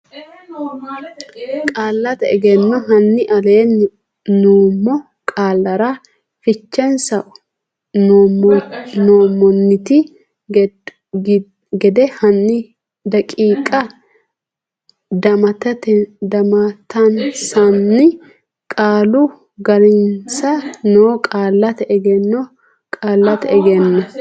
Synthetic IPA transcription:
kʼaːlːɐt̪ɛɛɡɛnːɐɦɐnːɪʔɐleːnː | noːmːɔ | kʼaːlːɐɾa | fɪt͡ʃːɛnsɐʔʊ | noːmːɔnːɪt̪ɪ | ɡɛd̪ɛhɐnːɪ | d̪ɐkʼiːkʼɐ | d̪ɐmɐt̪ɐt̪d̪ɐmɐt̪ɐnsɐnːɪ | kʼaːlʊ | ɡɐɾɪnsɐnoːkʼaːlːɐt̪ɛɡɛnːɔ | kʼaːlːɐt̪ɛɡɛnːɐ

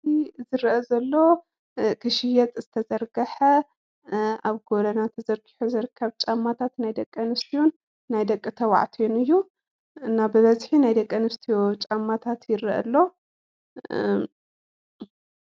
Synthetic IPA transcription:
izɨɾʔɐzɐlːo | kʰɨʃɪjɛt̪ʼzɨt̪ʰɐzɐɾɡɐħɐ | aβɡolɐnat̪ʰɐzɐɾɡi̥ħuzɨɾɨkʰːɐβt͡ʃʼamːat̪ʰat̪najd̪ɐkʼːɐnɨst̪ʰijonː | ajd̪ɐkʼːɨt̪ʰɐwa̰ʕt̪ʰonɨjːu | ɨnːabɨβɐzħinajd̪ɐkʼːɐnɨst̪ʰijot͡ʃʼamːat̪ʰat̪jɪɾɨʔɐ̰lːo̞

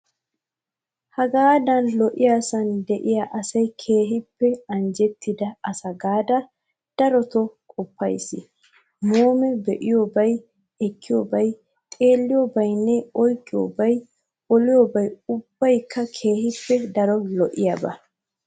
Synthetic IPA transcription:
hɐɡaːd̪ɐnlɔʔɪjaːsɐnd̪ɛʔɪjaʔɐsɐjkʰe̞ːɦɪpːɛɐnd͡ʒɛt̪ːɪd̪ɐɐsɐɡaːd̪ɐ | d̪̥ɐɾɔt̪ɔkʼɔpːɐjsɪ̰ | moːmɛbɛʔɪjoːbɐj | ɛkːɪjoːbɐj | t̪ʼe̞ːlːɪjoːbɐjnːɛɔjkːɪjo̰ːbɐj | ɔlɪjoːbɐjʊb̥ːɐjkːɐkʰe̞ːhɪpːɛd̪ɐɾɔlɔʔɪjɐbɐ̰

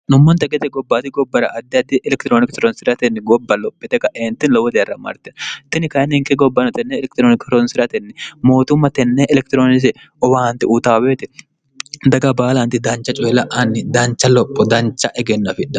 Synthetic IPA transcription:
nʊmːɔnt̪ɐɡɛt̪ɛɡɔbːaːt̪ɪɡɔbːɐɾɐʔɐd̪ːɪɐd̪ːɪʔɛlɛkt̪ɪɾoːnɪksɾɔnsɪɾɐt̪ɛnːɪɡɔbːɐlɔpʼːɪt̪ɛkɐʔeːnt̪ːɪnlɔwɔd̪ɛjɐrːɐmɐ̰ɾt̪ɛnt̪ɪnɪkɐnɪŋkɛɡɔbːɐnɔt̪ɛnːɛːlɛk̚t̪ɾoːnɪkɾɔnsɪɾɐt̪ɛnːɪmo̞ːt̪ʊmːɐt̪ɛnːeʔɛlɛk̚t̪ɪɾoːnɪs̬ɪ | ɔwaːnt̪ɪʔʊt̪aːweːt̪ɪ | d̪ɐɡɐbaːlɐnt̪ɪd̪ɐnt͡ʃːɐt͡ʃʼɔjɛlɐʔɐnːɪd̪ɐnt͡ʃːɐlɔpʼːɔd̪ɐnt͡ʃːɐʔɛɡɛnːɐfɪᶑɐ

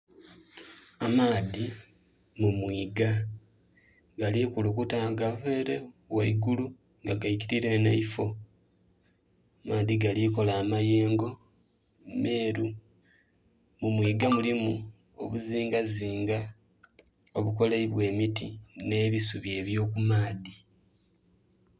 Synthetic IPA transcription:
amaːdi | mumwiːɡa | ɡalikulukutaːɡaveːɾewaiɡulu | ŋɡaɡaikiɾiɾe̞na̰ifo̞ | amaːðiɡaliko̞laːmaje̞ːŋɡo̞ | meːɾu | mumwiːɡamulimu | o̞βuziːŋɡaziːŋɡa | o̞βuko̞leβwe̞ːmitine̞ːβisuβje̞ːβjo̞ːkumaːdi

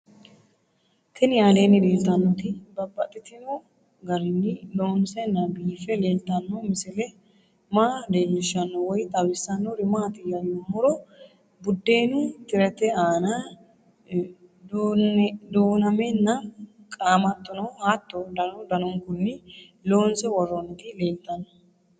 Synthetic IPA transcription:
t̪ʰɛnɪjaːleːnːɪleːlt̪ːɐnːɔt̪ɪbɐbːɐt̪ʼːɪt̪ːɪno | ɡɐɾɪnːɪloːnsɛnːɐbiːfɛleːlt̪ɐnːɔmɪsɪlɛ | maːd̪eːɲːɪʃɐnːɔwɔjt̪ʼɐbɪsɐnːɔɾɪmaːt̪ɪjːɐjomɔɾɔ | bʊd̪ːeːnut̪ɪɾɛt̪ɛaːna | d̪oːnɐmɛnːɐ | kʼaːmɐt̪ːɔnɔhaːt̪ːɔd̪ɐnɔd̪ɐnɔŋkʊnːɪ | lo̞ːnsɛwɔrːɔnɔt̪ɪleːlt̪ɐnːɔ

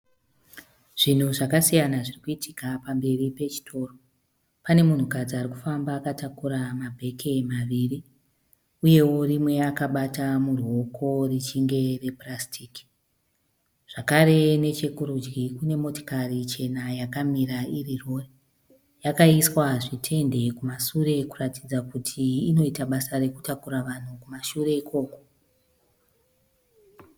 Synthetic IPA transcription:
ʐ̥in̤uʐakasijanaʐirikuitʰikapambe̞ripe̞t͡ʃi̥tʰo̞ːro | pane̞mun̤ukad͡ziariku̥fambaːkatakuɾamabʱe̞kʰe̞maʋiri | uje̞wo̞rimwe̞akaɓatamuro̞kʰo̞rit͡ʃiŋɡe̞re̞prastʰiki̥ | ʐ̥akaɾe̞ne̞t͡ʃe̞kuɾud͡ʒɡikune̞mo̞to̥karit͡ʃe̞najakamiɾairiro̞re | jakaiswaʐitʰe̞nde̞kumaʃuɾe̞kuratid͡zakutʰiːno̞itaɓasare̞kutakuɾaʋan̤ukumaʃure̞ikʰo̞ːko̞̥

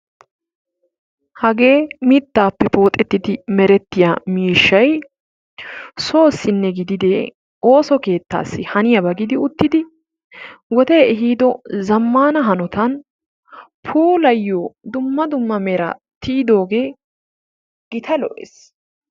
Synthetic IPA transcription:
hɐɡe̞ːmɪt̪ːaːpːɛpo̞ːt̪ʼːɛt̪ːɪd̪ɪmɛɾɛt̪ːɪjamiːʃːɐj | so̞ːsːɪnːɛɡɪd̪ɪd̪eː | o̞ːsɔke̞ːt̪ːa̰ːsːɪhɐnɪjɐbɐɡɪd̪ɪʊt̪ːɪd̪ɪ | wɔt̪e̞ːɛɦiːd̪ɔzɐmːaːnɐɦɐnɔt̪ɐn | pʰuːlɐjːoːd̪ʊmːɐd̪ʊmːɐmɛɾɐ̰ | t̪iːd̪o̞ːɡe̞ː | ɡ̥ɪt̪ʰɐlɔ̰ʔḛs

